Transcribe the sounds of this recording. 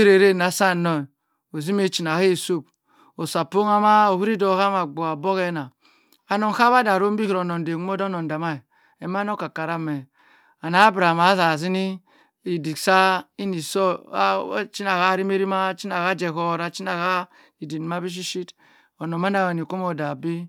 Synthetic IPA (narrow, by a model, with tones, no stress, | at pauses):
ɾe˨ɾe˦na˨sa˦˨no˨ | o˨zi˦me˦˨t͡ʃi˨n˨a˨he˦˨so˦˨b̚ | o˨sa˨po˦ŋa˦ma˦o˨hi˦ɾi˦do˨˦ha˦ma˨ɡ͡bo˨a˨bo˦ɣe˦na˨ | a˨no˨ŋ˦ha˦βa˦da˨ɾo˦m˦bi˦hi˨ɾo˨no˨n˨de˨kmo˦do˦no˨n˨da˨ma˦i˨ | e˨m˦a˦no˦ka˨ka˨ɾa˦me˨ | a˨na˦bɾa˨ma˨˦za˨zi˦ni˦ | i˨di˨ksa˦i˦ni˨so˦ | t͡ʃi˦na˨ha˦ɾi˦me˦ɾi˦ma˦t͡ʃi˦na˨ɣa˦d͡ʒe˨ko˦˨ɾa˨t͡ʃi˦na˨ha˦ | i˨di˨n˨ma˦bi˦ʃ̬i˦ʃi˦t | o˨no˨ma˦na˨wa˨ni˨ko˦mo˨da˨bi˦